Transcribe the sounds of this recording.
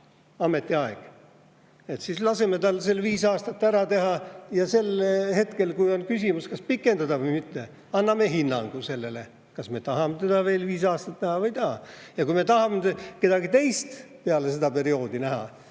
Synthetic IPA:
ɑme̞t̪ːˑiɑeɡ̥ | e̞t̪sislɑse̞me̞t̪ɑlselviːsɑːst̪ɑt̪ːæɾɑt̪e̞ɦɑjɑse̞lhe̞t̪ke̞lkujonkysʲimuskɑspikːˑe̞nd̪̥ɑd̪ɑvɯjmit̪ːe̞ | ɑnːɑme̞ɦinːɑ̰ŋɡ̥use̞lːe̞le̞ | kɑsme̞t̪ɑɦɑmet̪ed̪̥ɑve̞ːlviːsɑːst̪ɑt̪næhɑvɤjt̪ɑhːɑjɑkujme̞t̪ɑɦɑmeke̞d̪̥ɑɡit̪e̞jst̪peɑle̞se̞d̪̥ɑpe̞ɾio̞ːd̪̥inæɦɑ̰

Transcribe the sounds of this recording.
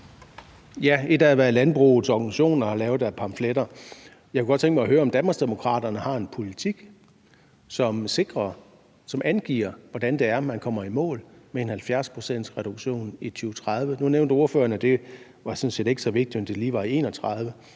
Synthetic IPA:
jæe̝d̥ææʋæɐlænb̥ʁṵːð̩ˠsɒɡ̥ænsiɕo̝̰ːnɐhɑlɛːʊð̥ˠæɐpʰɑ̈mfleɾ̥ɐ | jɑɪkʰuɡ̥ɒ̥̽t͡sʰeŋɡ̥mɑɦøːɐɒ̽md̥ænb̥ɐsd̥e̝mo̝kʰʁɑ̰̈ːd̥ɐnəhɑ̈e̝npʰo̝lit͡sʰiɡ̥ | sɒ̽mse̝ɡ̥ʁɐ | sɒ̽mʔænɡ̥ḭɐʋɒd̥ænd̥e̝æɐmænkʰɒ̽m̰ɐimɔ̰̽ːlmeenhælfjæɐspʰʁosen̰d̥sʁɛɾ̥uɡ̥ɕo̝̰ːnit͡sʰyːʊt͡sʰʁɑð̞ˠʋənuneʊnd̥əo̝ɐfø̰ːɐnəd̥e̝ | ʋɑ̈sɔ̽nse̝̰ːde̝ɡ̥sɒ̽ʋe̝ɡ̥̚d̥imend̥e̝liːʋɑ̈ie̝ːnɒt͡sʰʁɑð̞ˠʋə

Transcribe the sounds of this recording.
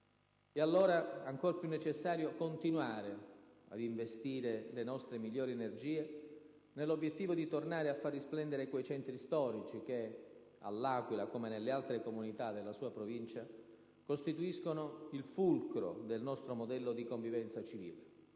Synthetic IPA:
ealːoːɾaaŋkoɾpjunːet͡ʃesːaːɾjokont̪inwaːɾea̰d̪iɱvest̪iːɾelenɔst̪ɾemiʎːoːɾienerd͡ʒiːe | nelːobjet̪ːiːvod̪it̪ornaːɾeafːarːisplɛnd̪eɾekwejt͡ʃɛnt̪ɾist̪ɔːɾit͡ʃik̟e | a̰lːaːkwilakomenelːealt̪ɾekomunit̪ad̪elːasuːapɾovint͡ʃa | kost̪it̪uiskonoilfulkɾo̰d̪elnɔst̪ɾomod̪ɛlːod̪ikoɱvivɛnt̪sat͡ʃivḭːle

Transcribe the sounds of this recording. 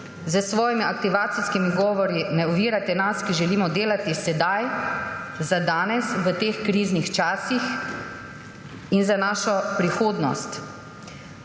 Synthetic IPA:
zəsʋɔːjimiakt̪iʋaːt̪siskimiɡɔːʋɔɾinɛɔʋiːɾat̪ɛnaskiʒɛliːmɔd̪eːlat̪isɛd̪aj | zad̪aːnɛsʋət̪eːxkɾiːznixt͡ʃaːsix | inzanaːʃɔpɾixoːd̪nɔ̰st̪

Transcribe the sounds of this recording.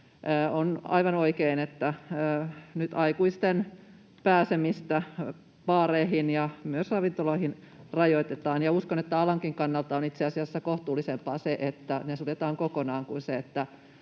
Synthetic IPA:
əːonɑ̰iʋɑnoikeinet̪ːæː | nyt̪ɑikuist̪en | pæːsemist̪æ | ʋɑːɾeːhinjɑmyøsrɑːʋint̪oloihin | rɑjoit̪et̪ɑːnjɑuskonet̪ːæɑlɑŋkiŋkɑnːɑlt̪ɑonit̪seɑsiɑsːɑkoht̪uːlːisempɑːseʔet̪ːænesut̪et̪ɑːŋkokonɑːŋkunseet̪ːæ

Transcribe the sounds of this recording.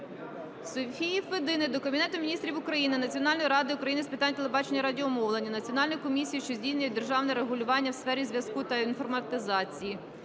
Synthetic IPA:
sɔfʲijiʋed̪ɪnɪd̪ɔkɐbʲinɛt̪ʊmʲnʲist̪ɾʲiwʊkɾɐjinɪnɐt͡sʲiɔnɑlʲnɔjiɾɑd̪ɪʊkɾɐjinɪspɪt̪ɑnʲt̪elˠebɑt͡ʃe̞nʲːɐɾɑdʲiɔmɔwlˠenʲːɐnɐt͡sʲiɔnɑlʲnɔjikɔmʲisʲijiʃt͡ʃɔzʲdʲijsʲnʲʊjɛd̪erʒɑwnɛɾeɦʊlʲʊʋɑnʲːɐwsfɛɾʲizʲʋʲjɐskut̪ɐinfɔrmɐt̪ɪzɑt͡sʲiji

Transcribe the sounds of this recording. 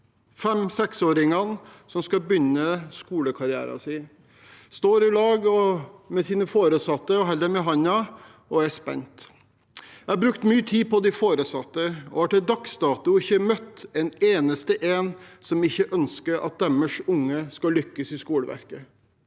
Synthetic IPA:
fɛmsɛksoːɾɪŋɑnsɔmskɑbʏnːəskuːləkʰɑɾɪæ̰ːɾɑ̰sɪ | st̪oːɾɪlɑːɡɔmɛsiːnəfoːɾəsɑt̪ːəɔɦɛlːəɾmɛɦɑnɑ | ɔæspɛ̰nt̪ | æɑbɾʉkt̪myːət̪ʰiːpɔd̪ɪfoːɾəsɑt̪ːəɔ̰hɑʈɛd̪ɑkst̪ɑːt̪ʊɪçːəmœt̪ːɛneːnəst̪əʔeːnsɔmɪçːəʔœnskəɾɑ̰t̪̚d̪æməʂʊŋːəskɑlʏkːəsɪskuːləʋæ̰ɾkə

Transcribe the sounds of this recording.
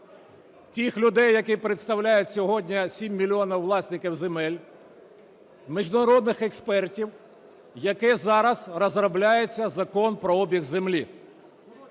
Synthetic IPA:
tʲixlʲʊd̪ɛjːɐkɪpɾet̪st̪ɐwlʲajʊtʲsʲɔɦɔdʲnʲisʲimʲːilʲiɔnɐwʋlˠɑsʲnɪkʲiwzemɛlʲ | miʒd̪ʊɾɔd̪nɪxekspɛrtʲiw | jɐkɛzɑɾɐz̥rɐzɾɐblʲajet͡sʲːɐzɐkɔnpɾɔɔbʲiɣzemlʲi

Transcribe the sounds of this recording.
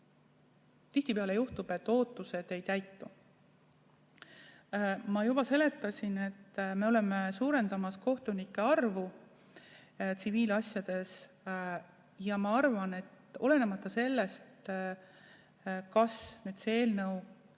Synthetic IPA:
t̪içt̪ipeɑle̞juht̪ub̥e̞t̪ːˑo̞ːt̪ːˑuse̞d̪̥e̞jt̪æjt̪ːu | mɑjub̥ɑse̞le̞t̪ːˑɑsʲine̞t̪ːme̞ole̞mesuːɾe̞nd̪̥ɑmɑsko̞ht̪unikːˑe̞ɑrvu | t̪siviːlɑsʲjɑd̪̥e̞s | jɑmɑɑrvɑne̞t̪ | o̞le̞ne̞mɑt̪ˑːɑse̞lːe̞st̪ | kɑsnyːd̪̥seeːlnɤw

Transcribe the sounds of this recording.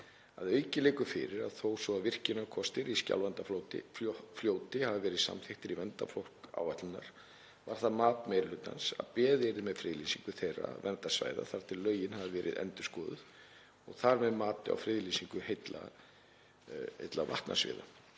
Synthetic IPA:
aðœɥcɪleɪːkʏfɪ̰ɾɪɾaðθowsvɔaðvɪr̥cɪnaɾkʰɔst̪ɪɾisca̰lvɛnt̪aflot̪ɪ̰fljoːwt̪ɪhavɪvɛːɾɪðsa̰mθeht̪ɪɾivɛnt̪a̰flowr̥ka̰ːwvat̪lɪna̰ɾ̥ | vaɾ̥θaðmaːt̪mɛjɾlʏt̪a̰nsa̰ðpɛːðɪɾðɪmɛðfɾɪːðlisiŋkʏθejra̰vɛnt̪asva̰ːjða̰θaɾ̥t̪ʰɪllːœːɥjɪnhavɪvɛːɾʔɪðʔɛ̰nt̪ʏ̥skɔːðʏð | ɔɣθaɾmɛðmaːt̪ɪa̰wfɾɪðlisiŋkʏhejt̪la̰ | ḛjt̪lava̰ht̪nʔa̰svɪ̰ːða̰

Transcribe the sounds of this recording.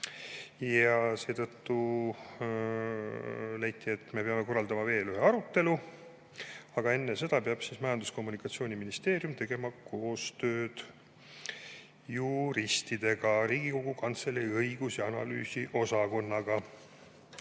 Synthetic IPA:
jɑse̞ːt̪ɤt̪ːu | læjt̪ːˑie̞t̪ːˑme̞peɑme̞ko̞rːɑld̪ɑmɑve̞ːlyɦe̞ɑɾut̪ːe̞lu | ɑɡ̥ɑe̞nːese̞d̪̥ɑpeɑb̥sismɑjɑnd̪usko̞mːunikːˑɑt̪sio̞ːnʲiminist̪e̞ːɾjumt̪e̞ɡe̞mɑko̞ːst̪ø̞ːd̪̥ | juɾist̪id̪̥e̞ɡɑɾiːɡiko̞ɡ̥ukɑnt̪se̞liɤjɡ̥usjɑɑnɑ̰ly̰ːsiʔo̞sɑko̞nːɑɡ̥ɑ

